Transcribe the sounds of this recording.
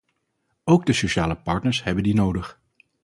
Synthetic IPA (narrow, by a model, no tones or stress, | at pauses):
owɡ̚dəsoʃaːləpɑɹtnəɹsɦɛbəndinowdəχ